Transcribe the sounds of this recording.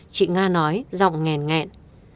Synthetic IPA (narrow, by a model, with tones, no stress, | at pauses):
t͡ɕḭ˧˨ŋaː˧nɔ˨˦jzɔ̰˧˨wŋ͡mŋɛ˨˩nŋɛ̰˧˨n